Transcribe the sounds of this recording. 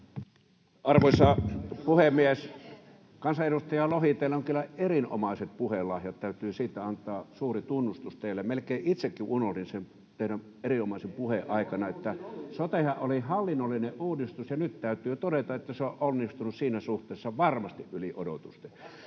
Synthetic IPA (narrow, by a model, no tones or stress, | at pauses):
ɑrʋoisɑːpuhemmies | kɑnsɑʔeɾust̪ɑjɑlohit̪eˑilːæoŋkylːæerino̰mɑˑiset̪̚puhelɑhjɑt̪t̪æyt̪yːsiːt̪ːæɑnt̪ˑɑːsuːrit̪unːust̪ust̪eˑilːemelkeiʔʔit̪sekːiʔunollinsen | t̪eˑinæm | eriomɑˑisempuheʔɑˑikɑnɑet̪ːæsot̪ehɑʔʔolihɑlːinːolːineʔʔuːdist̪usjɑnyt̪t̪æyt̪yːt̪odet̪ɑʔet̪ːæseoʔʔonːist̪unussiːnæsuht̪ˑeːsːɑʋɑrmɑst̪iʔʔyliʔo̰do̰t̪ust̪e